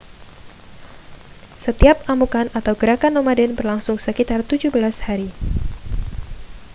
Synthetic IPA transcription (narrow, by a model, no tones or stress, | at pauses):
sət̪iap̚amukanat̪awɡəɾakanːomadɛnbərlaŋsʊŋsəkit̪art̪ud͡ʒubəlashaɾi